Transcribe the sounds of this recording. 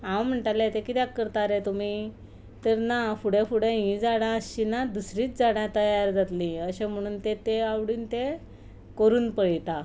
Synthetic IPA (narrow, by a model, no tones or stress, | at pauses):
ãwm̤əɳʈalet̪ekit̪jakəɾt̪aɾet̪um̤i | t̪əɾnafuɽẽfuɽẽɦĩd͡zaɽ̃ãəɕinad̪usɾiːt͡sd͡zaɽjat̪əjaɾd͡zat̪lĩəɕem̤əɽ̃uːnt̪et̪eawɽiːnt̪e | kəɾuːnpəɭit̪a